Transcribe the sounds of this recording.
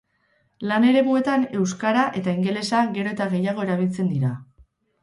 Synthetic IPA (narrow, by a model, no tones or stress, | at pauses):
lane̞ɾe̞βue̞t̪ane̞wskaɾaʔe̞t̪aiŋɡe̞le̞saɣe̞ɾo̞et̪aɣe̞jaɣ̞o̞e̞ɾaβ̞ilt͡se̞nd̪iɾa